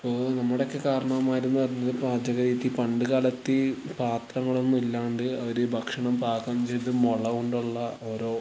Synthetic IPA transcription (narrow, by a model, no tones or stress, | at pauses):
ɐpːoːnɐmːuɽeokːe̞kaːɾɐɳɐmaːjiɾunːupɐrɐɲːɐðɨpaːd͡ʑɐɣɐɾiːt̪ːipɐɳɖɨɣaːlɐt̪ːipaːt̪rɐŋːɐɭunilːaːɳɖɨɐðiɾebʱɐkʂɐɳɐmpaːkːɐːmt͡ɕejt̪ːɨmoɭɐʋoɳɖuɭːɐo̞ːɾo̞ː